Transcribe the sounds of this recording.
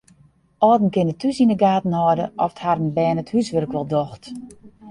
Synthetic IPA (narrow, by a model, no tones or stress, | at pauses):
ʔɔːdn̩kɪnətʰysinəɡaːtn̩hɔːdəʔɔftharənbɛːnəthysʋørkʋɔlˠdɔxt